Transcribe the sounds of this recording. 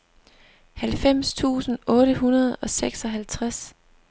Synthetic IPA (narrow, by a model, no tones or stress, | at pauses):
hælfem̰st͡sʰṵːsn̩ɔ̽ːɾəɦunɐð̞ˠɒ̽seɡ̥sɒ̽ɦælt͡sʰʁas